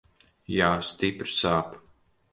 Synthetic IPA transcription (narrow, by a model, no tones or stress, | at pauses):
jaːst̪ipɾsaːp